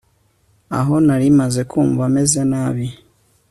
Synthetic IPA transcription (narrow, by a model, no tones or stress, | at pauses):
a̰ɦo̞naɾimaze̞kʰuːmvamezenaβi